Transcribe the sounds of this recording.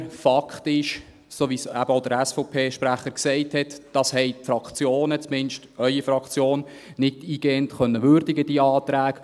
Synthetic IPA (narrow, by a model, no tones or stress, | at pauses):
fɑkχtɪʃ | soːʋiːsæ̰b̥əoʊd̪əɾæsfɔʊpʰeːʃpɾæχəɾksɛɪthɛtd̥ɑshɛɪtfɾɑkt͡sjoːnət͡smɪnʃtœʏifɾɑkt͡sjoːn | nɪtiːɡ̥eːəntχœnːəʋʏːɾd̥ɪɡəd̥iːəɑːt̪ɾæːɡ̥